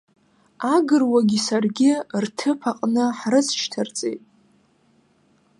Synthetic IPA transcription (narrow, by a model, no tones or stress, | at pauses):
aɡɨrwaɡʲisarɡʲɪrtʰɨpʰaqʼnɨħrɨsʰʃʰtʰart͡sʼḛjtʼ